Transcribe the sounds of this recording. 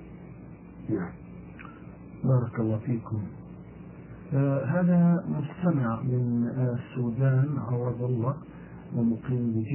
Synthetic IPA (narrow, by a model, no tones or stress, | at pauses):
bɑːɾˤɑkɑlˤːɑːfiːkʊm | ɦaːðamʊst̪amɪʕmɪnsːuːd̪aːnʕɑwɑðˤɑlːɑ | wɪmʊqiːmbɪd͡ʒ